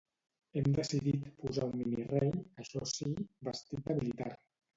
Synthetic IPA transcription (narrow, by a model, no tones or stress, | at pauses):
ɛmd̪əsiðit̪puzaumːinirejəʃɔsibəst̪it̪̚əmilit̪aɾ